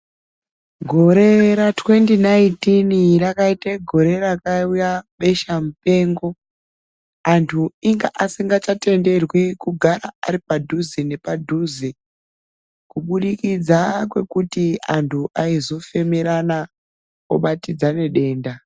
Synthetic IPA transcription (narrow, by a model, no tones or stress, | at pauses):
ɡʱo̞ɾe̞ɾatwe̞ndinaintinrakaiteɡʱo̞ɾe̞ɾakaujaɓe̞ʃamupe̞ːŋɡo̞ | antʰuiŋɡaʔasiŋɡat͡ʃate̞nde̞rwikuɡʱaɾaa̰ɾipadʱuzine̞padʱuːzi | kuɓuɗikid͡zakwe̞kutiantʰuʔaizo̞fe̞meɾana | o̰ɓatid͡zane̞ɗe̞ːnda